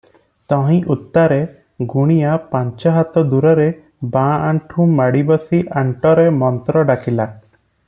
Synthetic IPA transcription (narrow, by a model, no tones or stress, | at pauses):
t̪ɔ̃ɦĩʔut̪ːaɾe | ɡuɽ̃ijapaɲt͡ʃɔɦat̪ɔd̪uɾɔɾe | bãaɳʈʰũmaɽibɔsiʔaɳʈɔɾemɔnt̪ɾɔɖakila